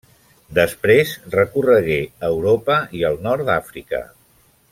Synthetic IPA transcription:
d̪əspɾezrəkurəɣeəwɾopəiəlˠnɔɾd̪afɾikə̰

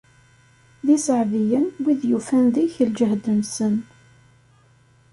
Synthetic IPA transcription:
ðisəʕvijənwiðjufænðiçəld͡ʒəɦd̪ənsən

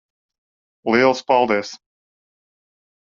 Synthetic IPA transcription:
lilˠspɑlˠd̪ɛs

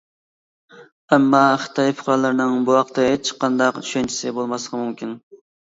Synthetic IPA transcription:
ɛmːɑχɨ̥t̪ʰɑjpʰʊ̥χɾɑlˠɨɾnɨŋbuwɑqt̪ʰɨet͡ʃʰːqʰɑnd̪ɑqt͡ʃʰy̥ʃɛnt͡ʃʰi̥sɪbolˠmɑslˠəqʰɑmumkʲin

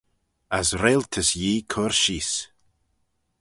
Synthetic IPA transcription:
asɾelt̪ʰəsjiːkʰʊɹʃis

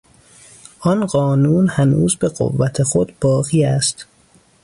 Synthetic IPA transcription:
ʔɒnɢɒːnuːnhænuːzbeɢo̰vːæt̪ʰe̞xod̪b̥ɒːɣiːæst̪

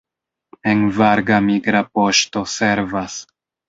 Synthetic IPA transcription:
envaɾɡamiɡɾapo̞ʃto̞se̞ɾvas

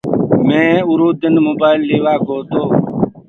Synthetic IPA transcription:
mẽːʊɾuːd̪ənmoːbaːɪlːeːʋaːɡʱoːt̪oː

